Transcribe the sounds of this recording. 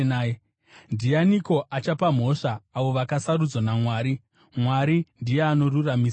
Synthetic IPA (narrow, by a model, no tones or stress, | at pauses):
a | ndianiko̞ʔat͡ʃapam̤o̞ʂaːʋo̞ʋakasarud͡zwanamwaːɾi | mwaɾindijeano̞ruramiːsa